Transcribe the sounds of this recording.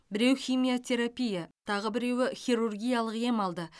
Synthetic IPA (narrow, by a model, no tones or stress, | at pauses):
bɪɾe̞wxʲijmijo̞t̪ʲʰe̞ɾapʲijat̪ʰɑʁəbɪɾe̞wɪχʲijɾurɡʲijalˠəqje̞mɑlˠd̪ə